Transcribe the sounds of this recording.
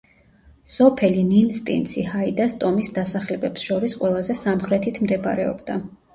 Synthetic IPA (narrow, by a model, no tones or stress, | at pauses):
sɔpʰɛlininst̪ʼḭnt̪sʰihaid̪ast̪ʼɔmisd̪asaχlɛbɛpsʃɔɾisqʼwɛlˠazɛsamχɾɛt̪ʰit̪ʰmd̪ɛb̰ɾɛɔ̰bd̪a